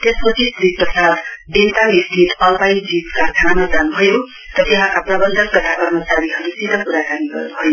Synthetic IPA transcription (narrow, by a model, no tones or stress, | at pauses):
t̪espʌt͡sʰisd͡zizprʌsad̪ent̪amist̪ʰit̪ʌlpajd͡zid͡zkakʰanamad͡zanubʱʌjo | t̪ʌt̪eɦãkaprʌbʌnd̪ʱʌnkʌt̪akʌrmʌt͡saɾiɦʌɾusid̪ʱʌkuɾakaniɡʌ̰rnubʱʌjo